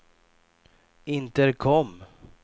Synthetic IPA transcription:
ɪnt̪əɾkʰɔmː

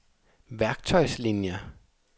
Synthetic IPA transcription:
ʋæɐɡ̥̚t͡sʰɒ̽ɪslinjə

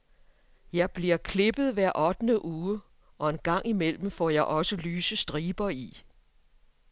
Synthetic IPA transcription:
jɑ̈ɪb̥liɐkʰle̝b̥ð̩ˠʋæɐ̰ʔɒd̥nəʔuː | ʔɒ̽e̝nɡ̥ɑ̈ŋ̰imel̰m̩fɒjɑ̈ɪʔɒ̽səlyːsəsd̥ʁiːb̥ɐi

